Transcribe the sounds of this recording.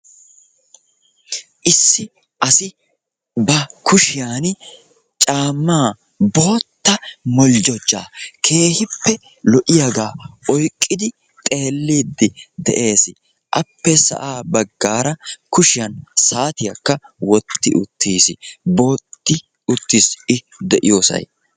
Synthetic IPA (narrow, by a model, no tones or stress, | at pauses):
ʔɪsːɪ | ʔɐsɪ | bɐkʊʃɪjaːn | t͡ʃʼaːmːaː | bo̞ːt̪ːɐmɔld͡ʒɔd͡ʒːa̰ːkʰe̞ːhɪpːɛ | lɔʔɪjaɡaːɔjkʼːɪd̪ɪ | t̪ʼe̞ːlːiːd̪ːɪd̪ɛ̰ʔe̞ːsɪ | ʔɐpːɛsɐ̰ʔaːbɐɡːaːɾɐkʊʃɪjɐnsaːt̪ɪjɐkːɐwɔt̪ːɪʔʊt̪ːiːsɪbo̞ːt̪ːɪ | ʊt̪ːisɪ | d̪ɛʔɪjo̞ːsɐ̰j